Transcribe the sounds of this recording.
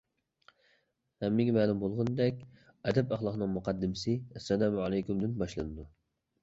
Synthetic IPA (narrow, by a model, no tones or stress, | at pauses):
hɛmːɪɡʲimæːlˠumbolˠʁʊnd̪ɛkʲ | ɛd̪ɛpɑχlˠɑqnɨŋmuqɑd̪ːɪmsɪɛsːɛlæmʕɑlˠɛjkʲumd̪ɪnbɑʃlˠɨnɨd̪u